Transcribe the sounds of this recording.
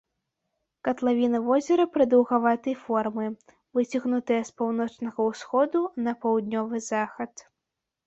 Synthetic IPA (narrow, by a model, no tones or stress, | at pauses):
kɐt̪lˠavʲinɐvɔzʲɛɾɐpɾɨd̪ɐwɣavat̪ɨjfɔrmɨ | vɨt͡sʲɐɣnut̪ɐjɐspawnɔt͡ʂnɐɣɐwsxɔd̪unɐpɐwd̪̚ʲnʲɔvɨzaxɐt̪